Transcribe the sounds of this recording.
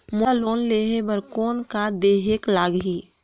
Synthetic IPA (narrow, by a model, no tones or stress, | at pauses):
moloːnleːɦebəɾkoːnkad̪eːɦeklaːɡɦi